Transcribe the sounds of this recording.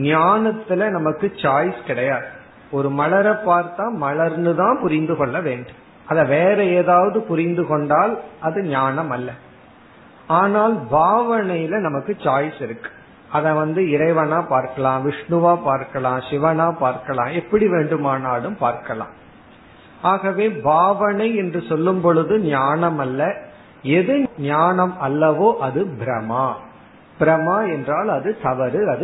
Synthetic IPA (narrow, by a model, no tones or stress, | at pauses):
naːnɐt̪ːɪlɐnɐmɐkːɯt͡ʃaːjskɪɽɐjaːðɯ | ɔɾɯmɐɭɐɾɐpːaːɾt̪ãːmɐɭɐɾnɯðãːpʊɾɪnd̪ɯkɔɭːɐʋeːɳɖɯm | ɐðɐ̃ʋeːɾɐeːðaːʋɐðɯpʊɾɪnd̪ɯkɔɳɖaːlʔɐðɯɲaːnɐmɐlːɐ | aːnaːlbʱaːʋɐnɐjɪlɐnɐmɐkːɯt͡ʃaːjsɪɾɯkːɯ̥ | ɐðɛ̃ʋɐnd̪ɯɪɾɐɪʋɐnaːpaːɾkɐɭãːʋɪʂɳɯʋaːpaːɾkɐɭãːʃɪʋɐnaːpaːɾkɐlã̰ːɛpːɐɽiʋeːɳɖɯmaːnaːɭɯmpaːɾkɐɭã̰ː | aːɣɐʋeːbʱaːʋɐnɐɪɛndrɯsɔlːɯmpɔɻɯðɯnjaːnɐmɐlːɐ | ɛðɯɲaːɳɐmɐlːɐʋoːʔɐðɯbɪɾɐmaː | b̥ɪɾɐmaːɛndraːlɐðɯt̪ɐʋɐɾɯɐðɯ